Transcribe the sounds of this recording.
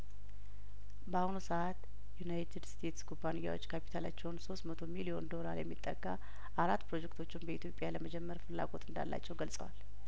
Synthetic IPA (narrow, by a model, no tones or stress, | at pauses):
bahunusəʔat̪ | junajt̪ʰɨdst̪ʰe̞t̪sɡubanijːa̰wo̞t͡ʃːkʰapʰi̥t̪ʰala̰t͡ʃːɛwnso̞st̪mət̪ʰo̞milio̞nd̪o̞laɾjɛ̰mːit̪ʼːə̰ɡa | ʔaɾat̪ːpɾo̞d͡ʒɛkt̪ʰot͡ʃːɪnbəit̪ʰjo̞pʼjaləməd͡ʒɛmːəɾfɨlːa̰ɡo̞t̪ʰʼɨnd̪a̰lːa̰t͡ʃːɛwɡəlsʼə̰wa̰l